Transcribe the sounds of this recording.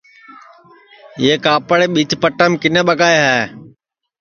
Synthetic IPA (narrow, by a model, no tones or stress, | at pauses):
jeːkaːpəɽeːɓit͡ʃpəʈəmkɪneːɓəkaːeɦɛː